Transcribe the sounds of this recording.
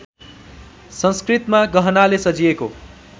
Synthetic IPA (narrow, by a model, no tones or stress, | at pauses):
sʌ̃nskrit̪maɡʌɦʌnalesʌd͡zieko̰